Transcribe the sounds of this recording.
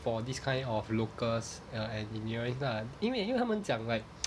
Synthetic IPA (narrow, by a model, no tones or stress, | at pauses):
fɔdiskʰãj̃ndɔflokəs | əɛ̃nd͡ʒĩniɔəɹə̃nslaĩnwĩĩhawmə̃nsjãŋlaɪk̚